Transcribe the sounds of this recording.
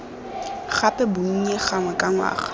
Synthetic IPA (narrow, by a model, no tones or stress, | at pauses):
χapɛbuŋ̩ɲɛχaŋwɛkʼaŋwa̰ːχ